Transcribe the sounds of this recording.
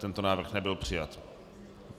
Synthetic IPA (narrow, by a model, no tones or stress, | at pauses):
t̪ɛnt̪onaːvr̩xnɛbɪlpr̝̥ɪjat̪